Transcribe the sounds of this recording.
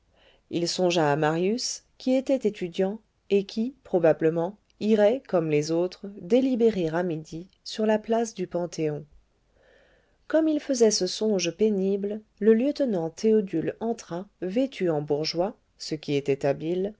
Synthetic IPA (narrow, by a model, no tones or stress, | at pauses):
ilsɔ̃ʒaːmaʁjyskʲiet̪ɛt̪et̪yd̪jɑ̃ | ekʲʰipχɔbabləmɑ̃ | iʁɛkɔmlezot̪χd̪elibeʁeʁamid̪i | syʁlaplasd̪ypɑ̃t̪ʰeɔ̃ | kɔmilfəzɛsəsɔ̃ʒpeniblləljət̪nɑ̃t̪ʰeɔd̪ylɑ̃t̪χavet̪ʰyɑ̃buʁʒwa | səkʲiet̪ɛt̪abil